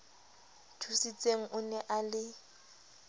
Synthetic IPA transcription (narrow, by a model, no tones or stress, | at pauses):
tʰusit͡sʼeŋ̩ʔʊnɛʔalɪ